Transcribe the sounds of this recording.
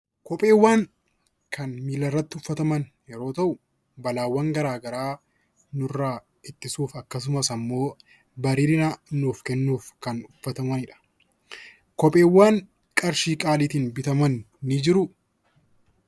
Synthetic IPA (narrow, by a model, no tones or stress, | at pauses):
kɔpʼe̞ːwːaːŋ | kʰɐnmiːlɐrːɐt̪ːɪʊfːɐt̪ɐmɐn | jɛɾo̞ːt̪ɐʔʊ | bɐlaːwːɐŋɡɐɾaːɡɐɾaː | nʊrːaː | ɪt̪ːɪsuːfɐkːɐs̬ʊmɐsɐmːo̞ː | bɐɾiːɾɪnɐnuːfkɛnːuːfkɐnʊfːɐt̪ɐmɐnɪᶑɐ̥ | kɔpʼe̞ːwːaːŋ | kʼɐɾʃiːkʼaːliːt̪ɪːnbɪt̪ɐmɐnː | ɪd͡ʒɪɾʊ